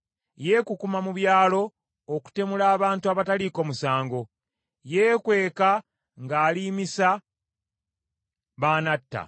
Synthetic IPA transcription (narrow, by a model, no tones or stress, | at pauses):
je̞ːkukumamuβjaːlo̞ː | ku̥te̞mulaːβaːntuaβataliko̞musaːŋɡo̞ | je̞ːkwe̞ːka | ŋɡaːliːmisa | βaːnatːa̰